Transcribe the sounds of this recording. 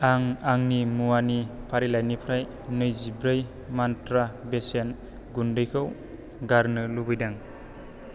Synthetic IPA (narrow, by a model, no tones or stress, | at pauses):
aŋaŋnimuwanipʰaɾilajnipʰɾaj | nɯjzibɾɯj | mantɾabesen | ɡundɯjkʰɯw | ɡaɾnɯlubɯjdaŋ